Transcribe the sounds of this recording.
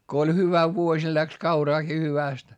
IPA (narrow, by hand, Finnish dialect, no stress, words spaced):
ko olʲ hyʋæ ʋuosʲ jɑ læks kɑurɑːki hyʋæˑst